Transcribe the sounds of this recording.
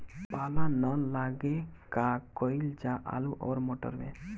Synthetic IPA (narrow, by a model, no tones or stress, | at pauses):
paːlanəlaːɡekakɔild͡ʒaʔa̰luʔɔːɾmoːʈə̰ɾmḛ̃